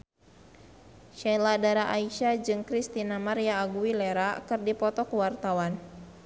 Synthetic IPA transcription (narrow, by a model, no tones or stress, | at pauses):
ʃaladaɾaʔaiʃad͡ʒɨŋkɾist̪inamaɾijaːɡuilɛɾakɨrdipɔt̪ɔkuwart̪awan